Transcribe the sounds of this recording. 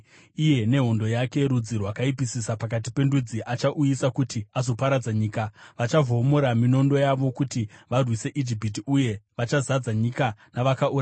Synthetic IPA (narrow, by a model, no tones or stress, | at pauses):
ije̞ne̞ɦo̞ndo̞jake̞ɾud͡zirwakaip̬isisapakat̬ipe̞ndud͡ziʔat͡ʃaʔujisakutiazo̞paɾad͡zaɲiːkaʋat͡ʃavomoɾamino̞ndo̞jaʋo̞kutiʋarwise̞ʔid͡ʒipit̬iuje̞ʋat͡ʃazad͡zaɲikanaʋakaʔura